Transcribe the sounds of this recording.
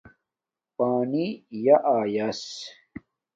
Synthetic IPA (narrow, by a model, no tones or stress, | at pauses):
paːnijaʔaːjɐs